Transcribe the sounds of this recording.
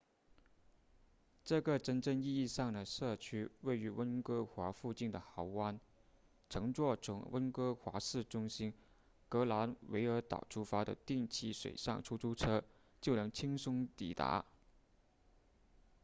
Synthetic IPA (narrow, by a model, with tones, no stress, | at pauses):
ʈ͡ʂɤ˥˩ɡə˩ʈ͡ʂə˥nʈ͡ʂə˥˧ŋi˥˧i˥˧ʂɑ˥˩ŋd̪ə˩ʂɤ˥˩t͡ɕʰy˥we˥˩ɪy˧˥wə˥nkɤ˥xwa˧˥fu˥˧t͡ɕi˥˩nd̪ə˩xɑ˧˥ʊwa˥n | ʈ͡ʂʰɤ˧˥ŋt͡swɔ˥˩ʈ͡ʂʰʊ̰˧˥ŋwə̰˥nkɤ˥xwa̰˧˥ʂɹ̩˥˩ʈ͡ʂʊ˥ŋɕi˥n | kɤ˧˥la˧˥nwe˧˥ɪə˞˧˥t̪ɑ̰˨˩ʊʈ͡ʂʰu˥fa˥d̪ə̰˨t̪i˥˧ŋt͡ɕʰi˥˩ʂwḛ˨˩ɪʂɑ̰˥˩ŋʈ͡ʂʰu˥ʈ͡ʂʰu˥ʈ͡ʂʰɤ˥ | t͡ɕjo˥˩ʊnɤ˧˥ŋt͡ɕʰi˥ŋsʊ˥ŋt̪ḭ˨˩t̪a̰˧˥